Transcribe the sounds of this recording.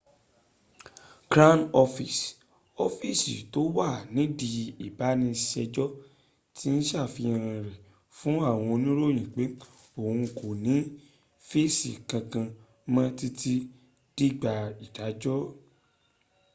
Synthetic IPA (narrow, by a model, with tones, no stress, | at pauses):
ɡɾa˦nɔ˧fi˨s | ɔ˦fi˦˨sḭ˨to˨˦wa˦˨nĩ˨˦di˧i˨ba˨˦nĩ˧ʃɛ˧d͡ʒɔ˦ | ti˦n̩˦ʃa˦˨fi˧ã˧ɾã˧ɾɛ˨ | fũ˦a˦˨w̃ɔ̃˧nĩ˦ɾo˦˨j̃ĩ˨k͡pe˨˦ | o˨hũ˧ko˨nĩ˨˦ | fe˦˨sḭ˨kã˧kã˧ | mã˦ti˦tʰi˦ | d̥i˦ɡ͡ba˧i˨da˨˦d͡ʒɔ˦